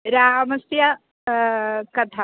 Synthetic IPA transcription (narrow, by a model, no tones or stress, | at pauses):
ɾaːɦmɐsjɐ | kɐt̪ʰa